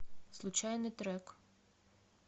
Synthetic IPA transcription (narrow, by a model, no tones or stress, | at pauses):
zlˠʊt͡ʃɑjnɪt̪ɾɛk